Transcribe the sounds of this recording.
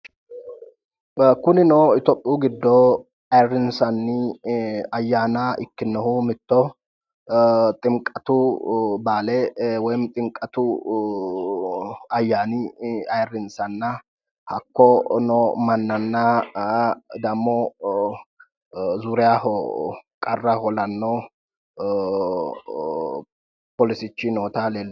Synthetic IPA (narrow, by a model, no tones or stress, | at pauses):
kʊnɪnɔɪt̪ɔpʼɪuːɡɪd̪ːɔ | ɐjrɪnsɐnːɪ | ɐjːaːnaʔɪkːɪnːɔhʊmɪt̪ːɔ | t̪ʼɪŋkʼɐt̪ʊbaːlɛwɔjmt̪ʼɪŋkʼːɐt̪ʊ | ɐjːaːnɪɐjrːɪnsɐnːɐ | hɐkːɔnɔmɐnːɐnːɐ | d̪ɐmːɔ | zuɾɛjahɔkʼɐrːɐhɔlɐnːɔ | pɔlɪsɪt͡ʃːɪnoːt̪aleːlː